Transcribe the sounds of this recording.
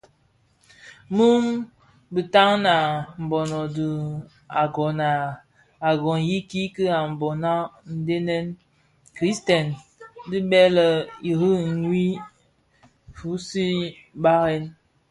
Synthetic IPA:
mu˦m | bə˨ta˦ŋna˨m̩˨bɔ˨nɔ˨də˨ | a˨ɡɔ˨na˨ | a˨ɡɔ˨n˨ji˦ki˦kə˦a˨m̩˨bɔ˨na˦n̩˨˦de˦nɛ˦n | kɾi˦stɛ˨n | di˦bɛ˦lə˦i˨ɾi˦˨ɲwi˦ | fu˨˦si˦ | ba˦ɣɛ˦n

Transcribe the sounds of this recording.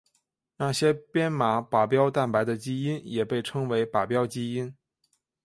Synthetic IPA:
na˥˩ɕjɛ˥pjɛ˥nma˧˥pa˨˩pjɑ˥ʊt̪a˥˩npa˧˥ɪd̪ə˧t͡ɕi˥i˥njɛ˨˩pe˥˩ɪʈ͡ʂʰɤ˥ŋwe˧˥ɪpa˨˩pjɑ˥ʊt͡ɕi˥i˥n

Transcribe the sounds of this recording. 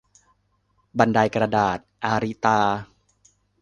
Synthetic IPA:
ba˧nda˧jkɾa˧daː˨˩t̪̚ʔaː˧ɾi˦˥t̪aː˧

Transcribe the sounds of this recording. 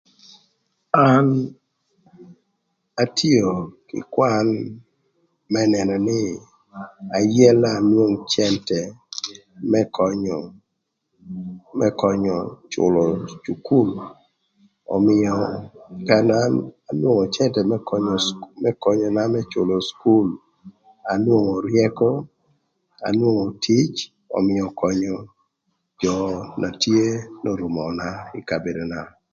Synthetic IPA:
a˦n | a˦tʰi˦o˨kɪ̰˨kwa˦n | mɛ˦nɛ˨nɔ˨nɪ˦ | a˨jɛ˦la˦˨nwo˦ŋt͡ʃɛ˦ntɛ˨ | mɛ˦kɔ˨ɲɔ˨ | mɛ˦kɔ˨ɲɔ˨t͡ʃʊ̰˨lɔ˨t͡ʃu˨ku˦˨l | ɔ̰˨mɪɔka˦nana˨nwo˦ŋo˨t͡ʃɛ˦ntɛ˨mɛ˦kɔɲɔ˨mɛ˦kɔ˦ɲɔ˨na˦mɛ˦t͡ʃʊ˨lo˨sku˦l | a˨nwo˦ŋo˨ɾjɛ˦kɔ˦ | a̰˨nwo˦ŋo˨tʰi˦t͡ʃ | ɔ̰˨mɪ˦jɔ˨kɔ˦ɲɔ˦ | d͡ʒɔ˨na˨tje˦nɔ˦ɾʊ˨mɔ˨na˦ɪ˦ka˨be˨do˨na˨

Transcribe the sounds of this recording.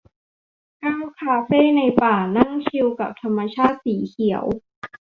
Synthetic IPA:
kaː˥˩wkʰaː˧feː˥˩na˧jpaː˨˩na˥˩ŋt͡ɕʰi˧wka˨˩p̚t̪ʰa˧mːa˧t͡ɕʰaː˥˩t̪̚siː˩˦kʰi˩˦ə̰w

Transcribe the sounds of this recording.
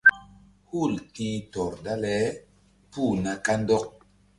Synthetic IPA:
hu˦˨ltĩ˦tɔ˨ɾda˦lɛ˨˦ | pu˦˨na˨ka˦ndɔ˦k̚

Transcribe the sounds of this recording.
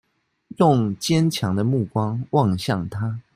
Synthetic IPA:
jʊ˥˨ŋt͡ɕjɛ˦nt͡ɕʰjɑ˧˦ŋd̪ə˧mu˥˩kwɑ˦ŋwɑ˥˨ŋɕjɑ˥˨˩ŋt̪ʰa˥˦

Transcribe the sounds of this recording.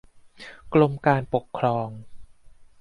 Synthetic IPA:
klo˧mkaː˧npo˨˩kʰːɾɔː˧ŋ

